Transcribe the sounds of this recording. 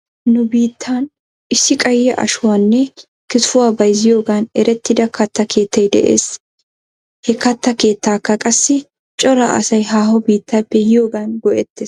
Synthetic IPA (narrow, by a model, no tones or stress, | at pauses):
nʊbiːt̪ʰːaːn | ɪsːɪkʼɐjːɛʔɐ̰ʃʊwaːnːɛ | kɪt̪fʊwaːbɐjzɪjo̞ːɡaːnɛɾɛt̪ːɪd̪ɐkʰɐt̪ːɐkʰe̞ːt̪ːɐjd̪ɛ̰ʔḛːs | hɛkɐt̪ːɐke̞ːt̪ːaːkːɐkʼɐsːɪ | t͡ʃʼɔɾɐ̰ʔɐ̰sɐjɦaːhɔbiːt̪ːaːpːɛjɪjoːɡaːnɡɔʔɛt̪ːeːs